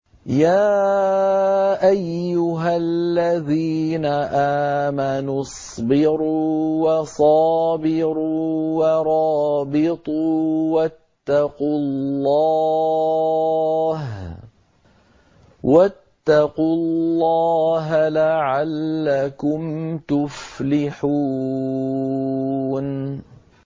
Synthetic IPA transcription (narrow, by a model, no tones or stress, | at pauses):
jaː | ʔajːʊɦalːaðiːnaʔaːmanusˤbɪɾuːwɑsˤɑːbɪɾuːwɑɾˤɑːbɪt̪ˤuːwat̪ːɑqʊlːɑ | h | wʔat̪ːɑqulllːɑːɦalaʕalːakʊmt̪ʊflɪħuː | n